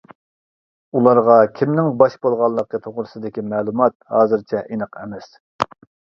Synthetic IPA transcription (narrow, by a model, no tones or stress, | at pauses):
ulˠɑɾʁɑkʲʰimnɪŋbɑʃbolˠʁɑlˠːəqːət̪ʰoʁɾɨsɨd̪ɪkʲimɛːlˠumɑt̪̚hɑːzɨɾt͡ʃʰɛʔinəqɛ̰mɛs